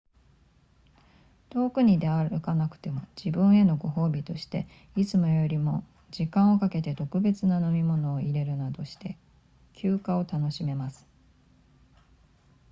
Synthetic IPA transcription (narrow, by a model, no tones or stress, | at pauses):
t̪o̞ːkɯ̟ɲ̟id̪e̞aɾɯkanakɯ̟̥t̪e̞mod͡ʑibɯ̟̃ɰ̃e̞no̞ɡo̞ɦo̞ːbʲit̪o̞ɕi̥t̪e̞̰ | it͡sɨmo̞jo̞ɾʲimo̞ | d͡ʑikãɰ̃o̞kake̞t̪e̞t̪o̞kɯ̟be̞t͡sɨnano̞mʲimo̞no̞ːiɾe̞ɾɯ̟nad̪o̞ɕi̥t̪e̞ | kʲʰɨːkao̞t̪ano̞ɕime̞masɨ̥